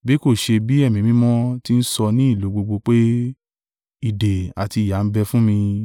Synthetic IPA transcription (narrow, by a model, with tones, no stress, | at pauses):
bi˦ko˦˨ʃe˧bi˦ɛ˦˨mĩ˨˦mĩ˦mɔ̃˦ti˦n̩˦sɔ˧nĩ˦i˦˨lo˨˦ɡ͡bo˧ɡ͡bo˧k͡pe˦ | i˦˨de˨a˨ti˧˨ja˨˦n̩˦bɛ˦fũ˦mĩ˧